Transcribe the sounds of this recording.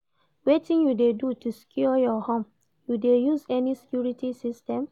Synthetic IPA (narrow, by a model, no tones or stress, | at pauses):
wetĩnjudedutuskʰjuɔjɔhɔ̃m | judejuzɛnisɛ̥kjuɹitisistɛ̃m